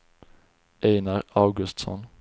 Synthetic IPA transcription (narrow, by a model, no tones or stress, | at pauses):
ʔeɪnɑʁɑʉɡʉst̪sɔ̰n